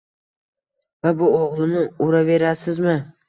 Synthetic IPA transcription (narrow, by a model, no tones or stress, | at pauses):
vabʊoʁlˠɪnɪʊɾave̞ɾasɪzmɪ